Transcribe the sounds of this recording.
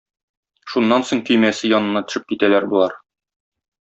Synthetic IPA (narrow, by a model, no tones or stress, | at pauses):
ʃunːɑnsoɴk̪ɵ̆jmæsɘjɒnɤ̆nːɑt̪ɵ̥̆ʃɘp̚kit̪ælæɾbulˠɑɾ